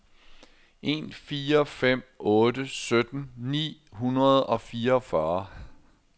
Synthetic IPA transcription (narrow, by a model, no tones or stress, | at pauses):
ʔe̝ːnfiːɐɒfem̰ɔ̽ːdəsød̥n̩nḭːɦunɐð̞ˠɒ̽fiːɐɒ̽fɶɐ